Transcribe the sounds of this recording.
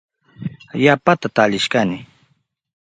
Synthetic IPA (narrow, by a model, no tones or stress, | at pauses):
japat̪at̪aʎɪʃkanɪ